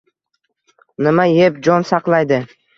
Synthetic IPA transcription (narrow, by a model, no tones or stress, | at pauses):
nɪmaje̞pd͡ʒɒnsɑqlˠajd̪ɪ